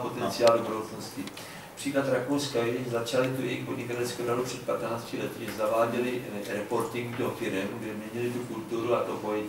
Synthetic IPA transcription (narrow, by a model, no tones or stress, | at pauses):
po̞t̪ɛnt͡sɪaːldobuɾowt͡snoscɪ | pr̥iːklat̪ɾakowskajjɛɲzat͡ʃalɪt̪ujɛjɪxpo̞dɲɪkat̪ɛlskɛwɾadupr̥ɛt̪̚pat̪naːt͡scɪlɛt̪ɪzavaːɟɛlɪɾɛpo̞ɾt̪ɪŋɡd̪ofɪɾɛmɡdɛmɲɛɲɪlɪt̪ukult̪uɾuat̪opojɛɲ